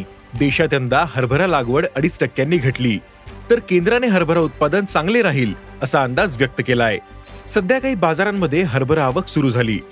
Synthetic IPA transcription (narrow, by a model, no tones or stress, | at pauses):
d̪eɕat̪jənd̪aɦəɾbʱəɾalaɡʋəɽəɽiːsʈəkjanːiːɡʱəʈliː | t̪əɾkend̪ɾaneɦəɾbʱəɾaut̪̚pad̪ənt͡sãŋɡleɾaɦiːl | əsaənd̪ad͡zʋjək̚t̪əkelae | səd̪ʱjakaɦiːbad͡zaɾamːəd̪ʱːjeɦəɾbʱəɾaʋəksuɾuːd͡zʱaliː